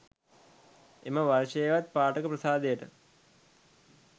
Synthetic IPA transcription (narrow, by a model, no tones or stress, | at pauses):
eməʋaɾʂejʋat̪̚paːʈəkəprɐsaːd̪ejəʈə